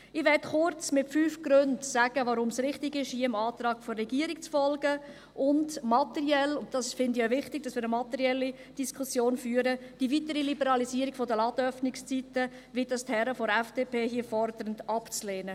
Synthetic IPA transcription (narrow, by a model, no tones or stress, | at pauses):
ɪʋɛtχʊɾt͡smɪtfyːfɡ̥ɾʏndsæɡ̥əvaɾʊmsɾɪχtɪɡɪʃhiːəɪmɑːtɾɑːɡ̥fɔrːɛɡiːəɾikt͡sfɔlɡə | ʔʊndmɑt̪ɛɾiɛlʊntd̥ɑsfɪndɪavɪχtɪɡ̚d̥ɑsʋɪːɾəmɑt̪ɛɾiɛlːi | d̥iskʰʊsjoːnfyːəɾəd̥ivitəɾilibəɾɑlisiːəɾiɡ̥fɔdəlɑːdœfnɪkst͡sitə | ʋidɑsthɛɾəfɔɾɛfd̥eːpʰeːɦiəfɔɾdəɾəndɑpt͡sleːnə